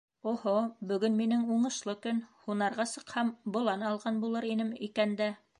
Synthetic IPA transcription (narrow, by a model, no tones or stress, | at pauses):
ohobɵ̆ɡɵnminɘŋuɴɤ̆ʃlˠɤkɵnhunɑɾʁɑsɤ̆qhɑmbŏlˠɑnɑlˠʁɑnbulˠɤɾinɘmikænd̪æ